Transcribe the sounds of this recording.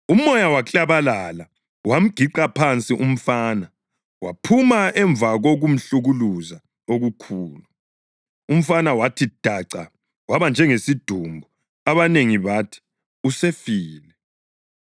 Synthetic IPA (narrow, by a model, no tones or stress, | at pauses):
um̩ɔjawat͡ɬʼaβalala | wam̩ɡ̥ʱiǃapʰant͡sʼiʔum̩faːna | wa̰pʰumaʔɛɱb̪vaɣoɣum̩ɬuɣuluza | oɣukʰuːlu | um̩fanawatʰid̥ʱaǀa̰ | waβand͡ʒʱɛŋesid̥ʱumbʱu | aβaneŋiβatʰi̥ | usefiːlɛ